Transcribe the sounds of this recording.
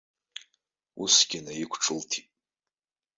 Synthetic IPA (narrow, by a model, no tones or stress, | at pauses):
usɡ̥ʲɪnajikʷʰʈ͡ʂʰɨltʰitʼ